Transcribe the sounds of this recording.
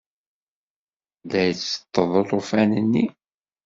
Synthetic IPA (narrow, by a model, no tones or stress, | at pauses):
ðæjət͡sːə̥t̪ːəðˤot̪ˤofænənːi